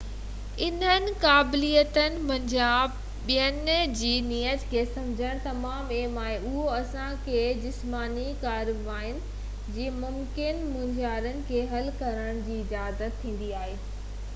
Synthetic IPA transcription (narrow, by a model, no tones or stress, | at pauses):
ɪnənɪ̆kaːblijət̪ənɪ̆mɐ̃ɲd͡ʑaːb | ɓijənd͡ʑiːniːəd͡ʑkʰeːsɐmd͡ʑʱəɽ̃t̪ɐmaːmeːmaːɦeʊɦoɐsãkʰeːd͡ʑɪsmaːnikaːɾɪbaːɦɪnɪ̆ | d͡ʑiːmʊmkɪnmʊ̃ɲd͡ʑaːɾənɪ̆kʰeːɦɐlkɐɾəɽ̃d͡ʑiːɪd͡ʑaːzət̪ʰːĩːn̆d̪iaːɦeː